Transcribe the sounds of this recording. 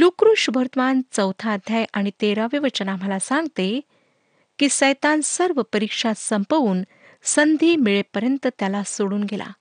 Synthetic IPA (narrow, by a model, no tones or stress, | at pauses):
lukɾuʂubʱəɾt̪əmant͡səwt̪ʰaːd̪ʱjajʔaɽ̃it̪eɾaʋiʋət͡ɕənam̤əlasaŋɡt̪e | kiːsəjt̪ansəɾʋəpəɾikʂasəmpəʋuːn | sənd̪ʱiːmiɭepəɾjənt̪ət̪jalasoɽuːnɡela̰